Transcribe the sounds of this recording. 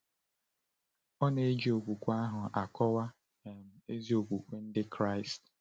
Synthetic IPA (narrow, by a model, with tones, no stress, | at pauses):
ɔ˦ne˨e˦d͡ʒi˨o˨ɡʷu˨kʷa˦ɦʊ˨ʔa˨kɔ˦wa˦ | ɛ˨m̩˨e˦zi˦o˨ɡʷu˨kʷe˦n̩˦dɪ˦kɾa˦ɪ˨st